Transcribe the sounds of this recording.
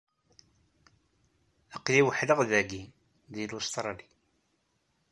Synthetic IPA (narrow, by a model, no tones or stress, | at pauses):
əqːliwəħləʁðæɡi | ðilust̪ɾˤɑli